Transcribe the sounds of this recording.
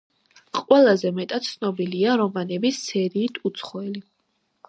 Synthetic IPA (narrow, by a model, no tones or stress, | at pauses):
qʼwɛlˠazɛmɛt̪ʼat̪̚t̪sʰnɔbiliaɾɔmanɛbissʰɛɾiːt̪ʰut̪sʰχɔɛli